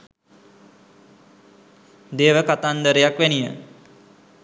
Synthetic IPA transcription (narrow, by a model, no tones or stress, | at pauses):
d̪eːʋəkat̪and̪əɾejakʋænijə